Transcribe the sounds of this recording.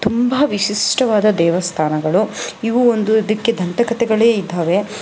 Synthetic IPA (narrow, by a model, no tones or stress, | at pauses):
t̪umbɐʋiʃiʂʈɐʋaːd̪ɐd̪ɛːʋɐst̪ʰaːnɐɡɐɭuiʋuond̪uid̪ɐkːe̞d̪ʱɐnt̪ɐkɐt̪ɛɡɐɭeːid̪ːaːʋe̞